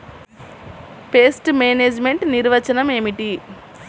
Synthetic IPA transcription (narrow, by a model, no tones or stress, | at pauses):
peːsʈmeːneːd͡ʒme̞ɳʈniɾʋɐt͡ʃɐnɐme̞ːmiʈi